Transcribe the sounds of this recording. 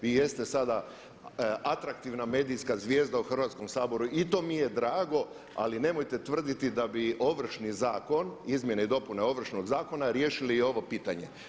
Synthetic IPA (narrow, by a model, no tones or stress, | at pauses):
ʋijest̪e̞sad̪a | at̪ɾakt̪iʋname̞ːd̪ijskazʋje̞ːzd̪auxr̩ʋaːt̪sko̞msaːbo̞ɾuʔit̪o̞ːmije̞d̪ɾaːɡo̞ | a̰line̞mojt̪e̞t̪ʋr̩d̪it̪id̪abio̞ʋr̩ʃnizaːko̞nizmjeneid̪o̞puneo̞ʋr̩ʃnoɡzaːko̞naɾjeːʃilijo̞ʋo̞piːt̪aɲe̞̰